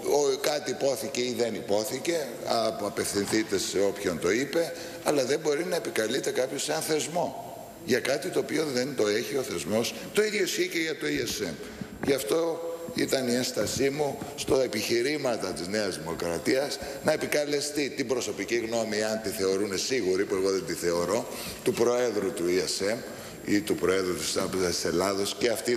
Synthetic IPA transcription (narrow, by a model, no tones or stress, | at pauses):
okɐt̪iːpoθiceiðe̞nipo̞θice̞ | ɐɐpe̞fθinθit̪e̞se̞o̞pço̞nt̪o̞ipe̞ | ɐlɐðe̞mbo̞ɾinɐe̞pikɐlit̪ekɐpço̞sɐnθe̞zmo̞ | ʝɐkɐt̪it̪o̞ːpio̞ðe̞nt̪o̞e̞çio̞θe̞zmo̞s | t̪o̞iðʝosçiceʝɐt̪o̞iesem | ʝɐft̪o̞ḭt̪ɐnienst̪ɐsimust̪o̞epiçiɾimɐt̪ɐt̪izne̞ɐzðimo̞kɾɐt̪iɐsnɐe̞pikɐle̞st̪it̪imbɾo̞so̞piciɣno̞miɐnt̪iθe̞o̞ɾune̞siɣuɾipue̞ɣo̞ðe̞nd̪iθe̞o̞ɾo̞ | t̪upɾo̞e̞ðɾut̪uiese̞m | it̪upɾo̞e̞ðɾut̪i̥st̪ɐpe̞zɐsise̞lɐðo̞sceɐft̪i